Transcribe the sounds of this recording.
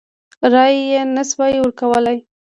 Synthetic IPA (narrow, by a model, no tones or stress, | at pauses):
ɾɑjjenaswɑjwəɾkawəlaj